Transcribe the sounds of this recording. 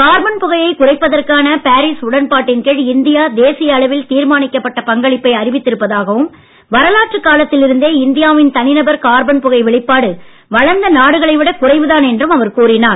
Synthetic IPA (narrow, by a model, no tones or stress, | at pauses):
kaːɾbɐnpʊɣɐjɐɪkʊrɐɪpːɐðɐrkaːnɐpaːɾiːsʊɽɐnpaːʈːɪnkeːɻɪnd̪ɪjaːd̪eːsɪjɐːɭɐʋɪlt̪iːɾmaːnɪkːɐpːɐʈːɐpɐŋɡɐɭɪpːɐɪɐrɪʋɪt̪ːɪɾɯpːɐðaːɣɐʋɯm | ʋɐɾɐlaːʈrɯkːaːlɐt̪ːɪlɪɾɯnd̪eːɪnd̪ɪjaːʋɪnt̪ɐnɪnɐbɐɾkaːɾbɐnpʊɣɐɪʋɛɭɪpːaːɽɯ | ʋɐɻɐnd̪ɐnaːɽɯɣɐɭɐɪʋɪɽɐkʊrɐɪʋɯðaːnɛndrɯmɐʋɐɾkuːrɪnaːn